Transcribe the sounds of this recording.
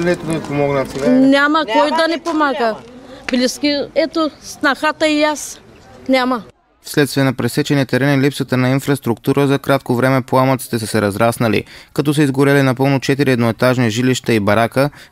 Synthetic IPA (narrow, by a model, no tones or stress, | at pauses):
nɛt̪od̪ɐpomɔɡnət̪sinʲamɐkɔjd̪ɐnɛpomaɡəblʲiskʲiɛt̪osnɐxat̪əijas | nʲamɐ | fslɛt̪st̪viɛnɐpɾɛsɛt͡ʃɛniət̪ɛɾɛnilipsət̪ənɐinfɾɐst̪ɾuk̚t̪uɾʔəzɐkɾat̪̚kovɾɛmɛpoamət̪si̥t̪ɛsəsɛɾɐzɾasnɐlḭkɐt̪ɔs̬əizɡoɾɛlinɐpɤlˠnot͡ʃɛt̪iɾiɛd̪noɛt̪aʒniʒiliʃt̪əibɐɾakə